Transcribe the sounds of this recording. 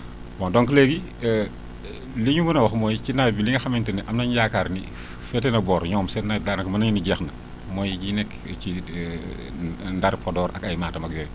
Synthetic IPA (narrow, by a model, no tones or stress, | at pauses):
bɔndɔŋkleɡi | liɲumunɐwɐxmɔjcinaːjbiliŋɐxɐmɛntɐniʔɐmnɐɲjakaɾnḭ | fɛtɛnɐbɔːɾɲɔːmsɛtnajdaːnɐkmɐnɐɲuniɟɛxnɐ | mɔːjɟinɛk | ci | ndɐɾpɔdɔːɾʔɐkɐjmaːtɐmɐkjɔːɾ